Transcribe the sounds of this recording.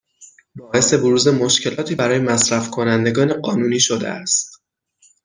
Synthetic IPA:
bɒːʔe̞se̞boɾuːze̞mo̞ʃcʰe̞lɒːt̪ʰiːbæɾɒːje̞mæsɾæfkʰo̞nænd̪e̞ɡɒːneɢɒːnuːniːʃod̪ḛʔæ̰st̪

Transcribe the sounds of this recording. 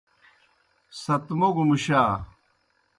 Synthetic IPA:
sɐt̪moɡumuɕaː

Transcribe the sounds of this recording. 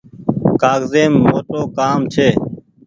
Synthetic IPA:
kaːɡzeːmːoːʈoːkaːmt͡ʃʰeː

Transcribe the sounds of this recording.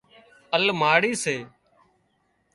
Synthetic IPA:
əlmaːɽiːseː

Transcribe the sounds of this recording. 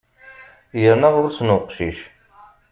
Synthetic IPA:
jəɾnəʁʊɾsənʊqʃiʃ

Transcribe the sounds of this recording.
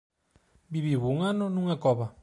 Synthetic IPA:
biβiβuŋanɔnuŋakɔβa

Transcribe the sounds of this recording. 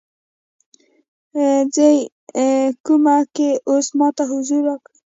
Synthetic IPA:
zej | kumakeosmɑt̪aɦʊzuɾwakɽ

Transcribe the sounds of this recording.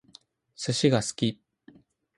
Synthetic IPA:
sɨɕiɡasɨ̥kʲi

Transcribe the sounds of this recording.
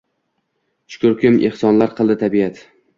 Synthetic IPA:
t͡ʃʊ̥kʲʰʊɾkʲʰɪmʔḛhsɒnlaɾqʰɨlˠd̪ɪt̪ʰabiat̪

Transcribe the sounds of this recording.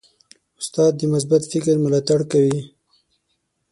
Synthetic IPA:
ʊst̪ɑd̪ːəmʊs̬bat̪fɪkɾmʊlɑt̪aɽkawi

